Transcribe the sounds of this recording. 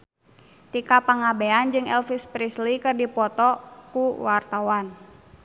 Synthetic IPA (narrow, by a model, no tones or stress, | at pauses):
t̪ikapaŋabeand͡ʒɨŋɛ̰lfispɾislikɨrdipɔt̪ɔkuwart̪awan